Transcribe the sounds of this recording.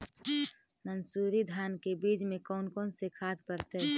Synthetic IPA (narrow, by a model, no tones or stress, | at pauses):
nənsuːɾid̪ʱaːnkebiːd͡ʒmẽkɔːnkɔːnsekʰaːt̪pəɾt̪eɦ